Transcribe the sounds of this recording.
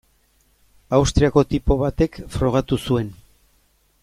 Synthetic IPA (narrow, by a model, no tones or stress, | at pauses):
awst̪ɾiako̞t̪ipo̞βat̪e̞kfɾo̞ɣ̞at̪usue̞n